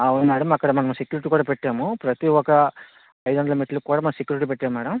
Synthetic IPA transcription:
ɐʋɐnmaːɽɐmɐkːɐɽɐmɐnɐmsekjuːɾiʈiːkuːɽapeʈːeːmupɾɐt̪iɔkɐ | ɐjd̪uʋɐnd̪ɐlɐmiʈːɐlukːuːɽaːmɐnɐmsekːjuːɾiʈipeʈːeːmmːɛːɽɐm

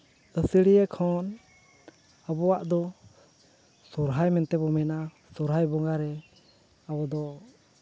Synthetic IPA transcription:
əsəɽijɛkʰɔn | abɔwaʔd̪ɔ | sɔɾɦajmɛnt̪ɛbɔmɛna | sɔɾɦajbɔŋɡaɾɛ | abɔd̪ɔ

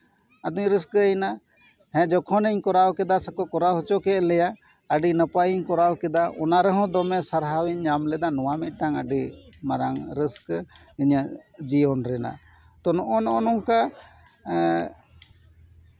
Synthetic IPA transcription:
ad̪uɲɾiskjna | hɛ̃d͡ʒɔkʰɔnəɲkɔɾawkɛd̪asəkɔkɔɾawɦɔt͡ʃɔkɛʔlɛja | əɖinəpajiɲkɔɾawkɛd̪aʔɔnaɾɛɦɔ̃d̪ɔmɛsaɾɦawiɲːamlɛd̪anɔwamit̪̚ˀʈaŋəɖimaɾaŋɾisk | iɲəd͡ʒiɔnɾɛna̰ | t̪ɔnɔʔɔnɔʔɔnɔŋka

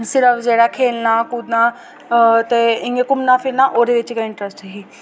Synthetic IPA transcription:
sɪɾəfd͡ʒeːɽaːkʰeːlnaːkuːd̪naː | t̪eɪ̃ŋɡekʊmnaːpʰɪɾnaːʔoːɾeʋɪt͡ʃkaɪ̃ɳʈɾəsʈɦiː

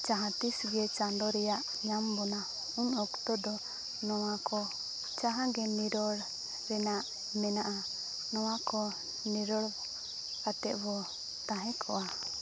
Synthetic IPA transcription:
t͡ʃaɦãt̪isɡɛt͡ʃandɔɾɛjaʔ | ɲambɔna | uɲɔkt̪ɔd̪ɔ | nɔwakɔ | t͡ʃaɦãɡɛniɾɔɽ | ɾɛnaʔ | mɛnaʔa | nɔwakɔ | niɾɔɽ | kat̪ɛʔbɔ | t̪ãɦɛ̃kʰɔʔa

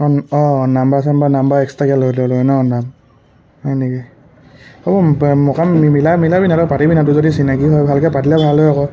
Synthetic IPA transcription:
kɔnɔnambas̬ɛmbanambaɹɛkstakɛlotɔlɔnɔnam | hɔjniki | ɔbɔmɔkaimilamilabinatɔpatibinat̬ʊzodisinaɡiɦɔjbʱalkɛpatilɛbʱalojɔkɔ

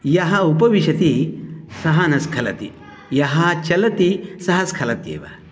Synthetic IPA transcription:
jɐɦɐupɐʋiʃɐt̪isɐɦɐnɐskʰɐlɐ̰t̪ḭ | jɐɦɐt͡ʃɐlɐt̪isɐɦɐskʰɐlɐt̪jḛːʋɐ̰

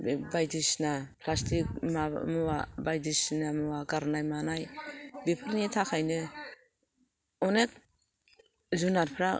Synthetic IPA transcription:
bajdisnapʰlastʰik̚mamuwabajdisnamɯaɡaɾnajmanajbipʰɯɾnitʰakʰajnɯ | ɔnek̚ | zunaɾpʰɾa

